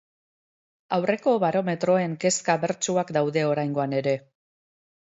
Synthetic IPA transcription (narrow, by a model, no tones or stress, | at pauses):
awre̞ko̞βaɾo̞me̞t̪ɾo̞e̞ŋke̞skaβe̞ɾt͡ʃuakd̪awðe̞o̞ɾajŋɡo̞ane̞ɾe̞